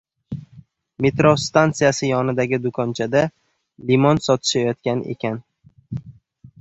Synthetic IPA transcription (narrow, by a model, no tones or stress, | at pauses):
met̪ɾost̪ant̪sɨjasɪjɒnɪd̪aɡʲɪd̪ʊkʰɒnt͡ʃʰad̪a | limɒnsɒt̪ʰɪ̥ʃajɒt̪̚kʲane̞̰kʲan